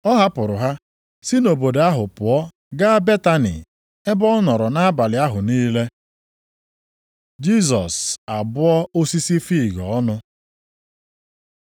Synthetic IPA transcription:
ɔ˦ɦa˦pʊ˨ɾʊ˨ɦa˦ | si˦no˨bo˨de˨a˦ɦʊ˨pʊ˨ɔ˦ | ɡa˦be˦ta˦nḭ˨ | e˦bɔ˦nɔ˨ɾɔ˨na˦a˦ba˨lɪ˨˦a˦ɦʊ˨niː˦le˦ | d͡ʒi˦s̬ɔ˨sa˨bʊ˦ɔ˦o˦si˦si˦fi˦˨ɡɔ˨ɔ˦nʊ˦

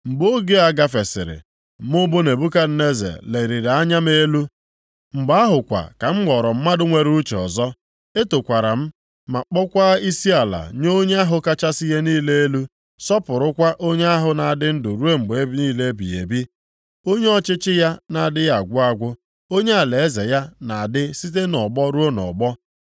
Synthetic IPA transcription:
ŋ͡m̩˨ɡ͡bo˦ɡe˦a˨ɡa˨fe˨sɪ̰˨ɾɪ̰˨ | mʊ˦bo˦ne˨bu˦ka˦n̩˦ne˦zḛ˨le˨ɾi˨ɾa˦ɲa˦m˦e˦lu˦ | ŋ͡m̩˨ɡ͡ba˦ɦʊ˨kʷa̰˨ka˨ŋ͡m̩˦ɡ͡bɔ˨ɾɔ˨m̩˦ma˦dʊ˦ŋʷe˦ɾu˦t͡ʃe˨ɔ̰˨zɔ˦ | e˦to˨kʷa˨ɾa˨m̩˦ | ma˨k͡pɔ˦kʷa˦i˦si˦a˨la̰˨ɲo˦ɲe˦a˦ɦʊ˨ka˦t͡ʃa˦si˦je˦niː˦le˦e˦lu˦ | sɔ˦pʊ˨ɾʊ˦kʷa˦ʔo˦ɲe˦a˦ɦʊ˨na˨a˨dɪ˦n̩˦dʊ˨ɾu˦e˦ŋ͡m̩˨ɡ͡be˦bniː˦le˦bḭ˨ḛ˨bi˦ | o˦ɲe˦ɔ˦t͡ʃɪ˦t͡ʃɪ˦ja˦na˨dɪ˦a˨ɡʷʊ˦a˦ɡʷʊ˦ | o˦ɲe˦a˨le˨e˦ze˨ja˦na˨a˨dɪ˦si˦t̬e˦nɔ˨ɡ͡bɔ˦ɾu˦o˦nɔ̰˨ɡ͡bɔ˦

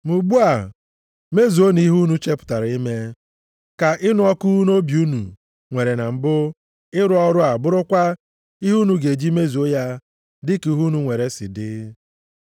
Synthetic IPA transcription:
mu˨ɡ͡bu˦a˨ | me˦zu˨o˦ni˦ɦu˦nu˦t͡ʃe˦pʊ̥˨ta˨ɾi˦me˦ | ka˨ʔɪ˦nʊ˦ɔ˦ku˦n˦o˦bju˦nṵ˨ | ŋʷe˨ɾe˨na˨m̩˨bʊ˦ | ɪ˦ɾʊ˦ɔ˦ɾʊ˦a˨bʊ˦ɾʊ˦kʷa˦ | i˦ɦu˦nu˦ɡe˨d͡ʒi˦me˦zu˨o˦ja˦ | dɪ˦ku˨˦ɦu˦nu˦ŋʷe˨ɾe˨sɪ̰˨dɪ˦

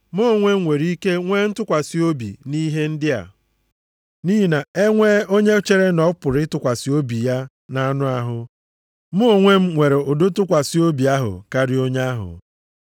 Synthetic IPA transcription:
mʊ˦o˨ŋʷe˦m̩˦ŋʷe˨ɾi˦ke˦ŋʷe˦n̩˦tʊ˦kʷa˨si˦o˦bḭ˨ni˦ɦe˦n̩˦dɪ˦a̰˨ | niː˦ɦi˨na˨e˦ŋʷe˦o˦ɲe˦t͡ʃe˦ɾe˦nɔ˨˦pʊ˨ɾɪ˦tʊ˦kʷa˨si˨o˦bi˨ja˦ | na˦nʊ˦a˦ɦʊ˨ | mʊ˦o˦˨ŋʷe˦m̩˦ŋʷe˨ɾe˨ʊ˨do˦tʊ˦kʷa˨si˦o˦bi˨a˦ɦʊ̰˨ka˦ɾɪ˦o˦ɲ˦a˦ɦʊ̰˨

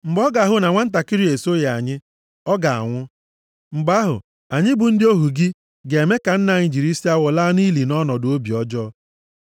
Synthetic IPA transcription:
ŋ͡m̩˨ɡ͡bɔ˦ɡa˨ɦʊ˨na˨ŋʷa˦n̩˦t̬a˨kɪ˦ɾi˦e˨so˦ja˨a̰˨ɲɪ˦ | ɔ˦ɡa˨a̰˨ŋʷʊ˦ | ŋ͡m̩˨ɡ͡ba˦ɦʊ̰˨ | a˨ɲɪ˦bʊ˨n̩˦dɪ˦o˦ɦu˨ɡɪ˦ | ɡe˨me˦ka˨n̩˦na˨ɲɪ˨d͡ʒi˨ɾi˦si˦a˦wɔ˨laː˦ni˦li˨nɔ˦nɔ˨do˦bi˨ɔ˦d͡ʒɔ˦

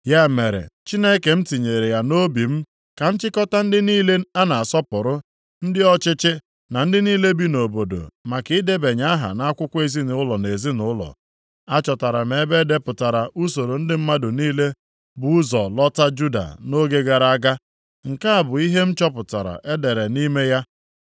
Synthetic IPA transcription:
ja˦me˨ɾḛ˨t͡ʃi˦ne˦ke˨m̩˦ti˨ɲe˨ɾe˨ja˨no˦bi˨m̩˦ | ka˨n̩˦t͡ʃɪ˦kɔ˦ta˦n̩˦dɪ˦niː˦le˦a˦na˨a˨sɔ˦pʊ˨ɾʊ˦ | n̩˦dɪ˦ɔ˦t͡ʃɪ˦t͡ʃɪ˦ | na˨n̩˦dɪ˦niː˦le˦bi˦no˨bo˨do̰˨ma˨kɪ˨˦de˦be˨ɲa˦a˦ɦa̰˨na˦a˦kʷʊ˦kʷe˦zi˦n˨ʊ˦lɔ˨ne˨zi˦nʊ˦lɔ̰˨ | a˦t͡ʃɔ˨ta˨ɾa˨me˨˦be˦de˦pʊ˨ta˨ɾa˨ʔu˦so˨ɾo˨n̩˦dɪ˦m̩˦ma˦dʊ˨niː˦le˦ | bʊ˨ʊ˦zɔ˨lɔ˦ta˦d͡ʒu˦da̰˨no˦ɡe˦ɡa˨ɾa˨a˦ɡa˦ | ŋ̩˨ka˦a˨bʊ˨i˦ɦe˦m̩˦t͡ʃɔ˦pʊ˨ta̰˨ɾa̰˨ʔe˦de˨ɾe˨ni˦me˦ja˦

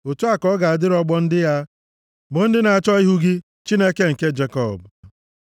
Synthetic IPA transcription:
o˨tu˦a˦kɔ˦ɡa˨a˨dɪ˦ɾɔ˦ɡ͡bɔ˦n̩˦dɪ˦ja˦ | bʊ˨n̩˦dɪ˦na˨a˨t͡ʃɔ˦i˦ɦu˦ɡɪ˦ | t͡ʃi˦ne˦ke˦ŋ̩˨ke˦d͡ʒe˨˦kɔ˦˨b

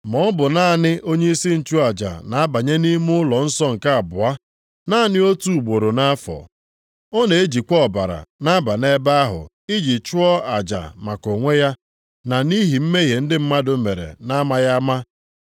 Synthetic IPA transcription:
mɔ˦bʊ˨na˦˨nɪ˦ʔo˦ɲe˦i˦si˦n̩˨t͡ʃu˦a˨d͡ʒa̰˨na˨a˦ba˨ɲe˦ni˦mʊ˦ʊ˦lɔ˨n̩˦sɔ˦ŋ̩˨ka˦a˨bʊ˨a˦ | na˦nɪ˦o˦tu˨u˨bo˨ɾo˨na˦a˦fɔ̰˨ | ɔ˦ne˨e˦d͡ʒi˨kʷɔ˦˨ba˨ɾa̰˨na˦ba˨ne˦ba˦a˦ɦʊ̰˨ | i˦d͡ʒi˨t͡ʃʊ˦ɔ˦a˨d͡ʒa̰˨ma˨ko˨ŋʷe˦ja˦ | na˨ni˦ɦi˨m̩˦me˦ɦe˨n̩˦dɪ˦m̩˦ma˦dʊ˨me˨ɾḛ˨na˦ma˦ja˦ma˦

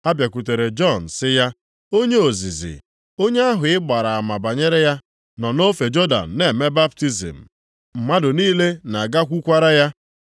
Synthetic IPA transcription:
a˦bja˨ku˨te˨ɾe˨d͡ʒɔ˦˨n̩˨sɪ˦ja˦ | o˦ɲe˦o˨zi˨zɪ̰˨ | o˦ɲe˦a˦ɦʊ˨ɪ˦ɡ͡ba˨ɾa˨a˨ma˨ba˨ɲe˦ɾe˦ja˦ | nɔ˨no˦fe˨d͡ʒo˦da̰˨n̩˨ne˨me˦ba˦p̚ti˦zḭ˨m̩˨ | m̩˨ma˦dʊ˨niː˦le˦na˨ɡa˦kʷu˦kʷa˦ɾa˦ja˦

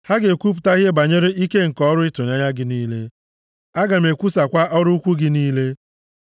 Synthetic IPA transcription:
ha˦ɡe˨kʷu˦p̬ʊ̥˨ta˦ɣe˦ba˨ɲe˦ɾe˦i˦ke˦ŋ̩˨kɔ˦ɾʊ˦ɪ˦tʊ˨ɲ˨a˦ɲa˦ɡɪ˦niː˦le˦ | a˦ɡa˨m̩e˨kʷu˦sa˨kʷa˦ʔɔ˦ɾʊ˦kʷu˦ɡɪ˦niː˦le˦

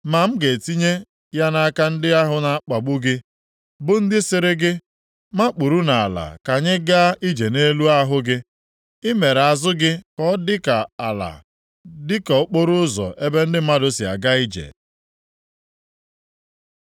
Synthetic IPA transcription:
ma˨m̩˦ɡe˨ti˦ɲe˦ | ja˦na˦ka˦n̩˦dɪ˦a˦ɦʊ˦na˨˦k͡pa˨ɡ͡bu˦ɡɪ˦ | bʊ˦n̩˦dɪ˦sɪ˨ɾɪ˦ɡɪ˦ | ma˦k͡pu˨ɾu˦na˨a˨la̰˨ka˨ɲɪ˦ɡa˦i˦d͡ʒe˨ne˦lu˦a˦ɦʊ˦ɡɪ˦ | ɪ˦me˨ɾa˨zʊ˦ɡɪ˦kɔ˦dɪ˦ka˨a˨la̰˨ | dɪ˦kɔ˨ʊ˦k͡po˦ɾʊ˦ʊ˦zɔ̰˨ʔe˦be˦n̩˦dɪ˦a˦do˦si˨a̰˨ɡa˦i˦d͡ʒḛ˨

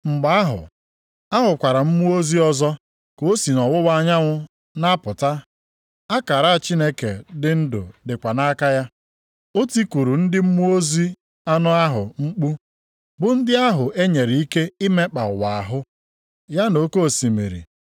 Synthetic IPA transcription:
ŋ͡m̩˨ɡ͡ba˨a˦ɦʊ̰˨ | a˦ɦʊ˨kʷa˨ɾa˨m̩˦mu˦o˦zi˦ɔ˦zɔ˦ | ko˨o˦si˨nɔ˨wʊ˦wa˦ɲa˦ŋʷʊ˦ | na˦pʊ˨ta˦ | a˦ka˨ɾa˦a˨t͡ʃi˦ne˦kḛ˨dɪ˦n̩˦dʊ̰˨dɪ˨kʷa˨na˦ka˦ja˦ | o˦ti˦ku˨ɾu˨n̩˦dɪ˦m̩˦mu˦o˦zi˦ | a˦nʊ˦a˦ɦʊ˨ŋ͡m̩˦k͡pu˦ | bʊ˨n̩˦dɪ˦a˦ɦʊ˨ʔe˦ɲe˨ɾi˨i˦ke˦i˦me˦k͡pa˨ʊ˨wa˨a̰˨ɦʊ˦ | ja˦no˨˦ko˦˨si˨mḛ˨ɾḭ˨

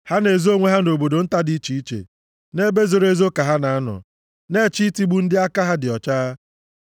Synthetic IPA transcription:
ha˦ne˨zo˦ŋʷe˦ɦa˦no˨bo˨do˨n̩˦ta˦di˦t͡ʃi˨i˦t͡ʃḛ˨ | ne˦be˦zo˨ɾe˦zo˦ka˨ɦa˦na˨a˦nɔ̰˨ | ne˦˨t͡ʃi˦ti˦ɡ͡bu˦n̩˦dɪ˦a˦ka˦ɦa˦dɪ˨ɔ˨t͡ʃaː˦a˦

